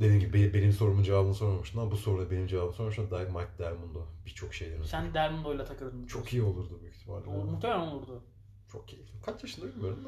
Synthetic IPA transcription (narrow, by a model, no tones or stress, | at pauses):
d̪e̞d̪inɟibibebe̞nimso̞ɾumund͡ʒevaːbɯnso̞ɾmamuʃt̪namabuso̞ɾunabe̞nimd͡ʒevaːbɯnso̞ɾmʃad̪aːjkmat̚d̪æɾmund̪ubit͡ʃʰo̞kʃe̞jd̪ʲeɾnsænd̪id̪æɾmund̪ojlʲˠat̪ʰakɯlˠɯɾɯmt͡ʃʰo̞kʰijio̞lˠuɾd̪ubuiçt̪ʰima̰ɾmuxt̪emelænolˠuɾd̪ʊ | t͡ʃʰo̞k̚ʰejiikʰat͡ʃjaʃɯnd̪abilʲmijo̞ɾum